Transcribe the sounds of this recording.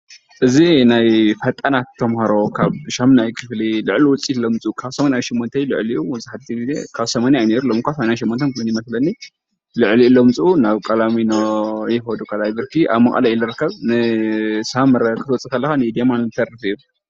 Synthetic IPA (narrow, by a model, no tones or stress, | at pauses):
ʔɨzinajfɐt̪ʼːɐnat̪ːʰɐmhɐɾokʰaβʃɐmnajkʰɨflilɨʕliwʊt͡sʼit̪lɐmt͡sʼukʰaβsɐmanajʃɪmːont̪ʰɐjlɨʕliʔuwzɨħat̪d̪izizḛkʰaβsɐmanjajneɾulɐmkʰʷasmanjanʃɪmːont̪ʰɐnkunjɪmɐslɐnːi | lɨʕlilɐmt͡sʼunaβkʼɐlaminojɪxod̪ukʰʼɐlajbɨɾkʰiʔa̰βmɐxʼɐ̰lajilɨɾɨkːɐβnɨsamɨɾɐkʰɨ̥t̪ʰwɔt͡sʼɨt̪ʰɐlːɐxanɨd̪emant̪ʰɐrːɨfɨju